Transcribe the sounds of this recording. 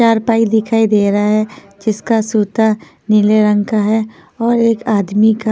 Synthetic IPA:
t͡ʃaːɾpaːid̪ɪkʰaːid̪eːɾaɦɛ | d͡ʒɪskasuːt̪a | nɪleɾə̃ŋkaɦɛ | ɔːɾeːkaːd̪mika

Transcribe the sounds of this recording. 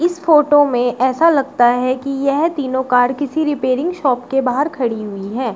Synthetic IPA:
ɪsfoːʈomẽʔɛːsalɐɡ̚t̪aɦɛkijɛɦt̪iːnõkaːɾkɪsiɾɪpeːɾɪ̃ŋɡʃɔːpkebaːɦəɾkʰɐɽiɦʊiɦɛː

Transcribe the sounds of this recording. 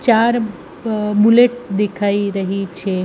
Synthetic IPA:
t͡ʃaɾ | buleʈ̚d̪ekʰaiɾəɦit͡ʃʰɛ

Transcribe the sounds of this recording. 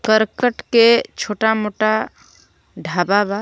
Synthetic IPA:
kəɾkəʈket͡ʃʰoʈamoʈa | ɖʱababa

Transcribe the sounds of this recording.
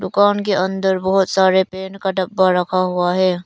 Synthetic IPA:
d̪ʊkaːnkeɐ̃nd̪əɾbɔɦʊt̪saːɾepeːnkaɖɐbːaɾɐkʰaɦʊaɦɛː

